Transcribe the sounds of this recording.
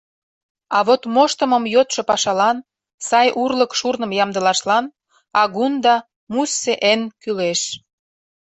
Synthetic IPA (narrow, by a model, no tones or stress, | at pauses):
ɑβot̪moʃt̪ə̆məmjot̪ʃɤ̽pɑʃɑlɑn | sɑjʔurləkʃurnə̆mjɑmd̪ə̆lɑʃlɑn | ɑɣund̪ɑ | musːeʔenkyleʃ